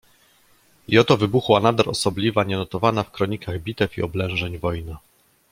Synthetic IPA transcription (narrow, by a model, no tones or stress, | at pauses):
jɔt̪ɔvɘbuxwanad̪aɾɔsɔblʲivaɲɛnɔt̪ɔvanafkɾɔɲikaɣbʲit̪ɛfḭɔblɛ̃w̃ʐɛɲvɔjna